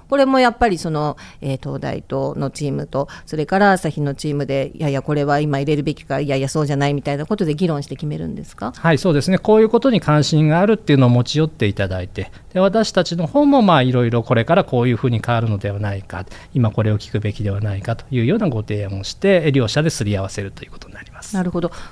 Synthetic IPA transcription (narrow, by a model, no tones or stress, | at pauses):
ko̞ɾe̞mo̞japːaɾʲiso̞no̞eːt̪o̞̰ːd̪a̰ḭt̪o̞ːno̞t͡ɕiːmɯt̪o̞so̞ɾe̞kaɾasaçʲino̞t͡ɕiːmɯ̟d̪e̞jajako̞ɾe̞βaimaiɾe̞ɾɯ̟be̞kʲi̥kaijajaso̞ːʑanaimʲit̪ainako̞t̪o̞d̪e̞ɡʲiɾõ̞ɰ̃ɕi̥t̪e̞kʲime̞ɾɯ̟̰̃nd̪e̞sɨ̥kahaiso̞ːd̪e̞sɨne̞ko̞ːjɯ̟ːko̞t̪o̞ɲ̟ikãɰ̃ɕĩŋɡaːɾɯ̟t̪ːeiɯ̟no̞ːmo̞t͡ɕijo̞t̪ːe̞it̪ad̪a̰it̪e̞ | d̪̥e̞βat̪aɕi̥t̪at͡ɕino̞ho̞ːmo̞maːiɾo̞iɾo̞ko̞ɾe̞kaɾako̞ːjɯ̟ːɸɯ̟ːɲ̟ikaβaɾɯ̟no̞d̪e̞βanaika̰ | imako̞ɾe̞o̞kʲi̥kɯ̟be̞kʲid̪e̞βanaikat̪o̞̥jɯ̟ːjo̞ːnaɡo̞t̪e̞ːãoɕi̥t̪e̞ɾʲo̞ːɕad̪e̞sɨɾʲiaβase̞ɾɯ̟t̪o̞jɯ̟ːko̞t̪o̞̥ɲinaɾʲimasɨ̥n̥aɾɯ̟ho̞d̪o̞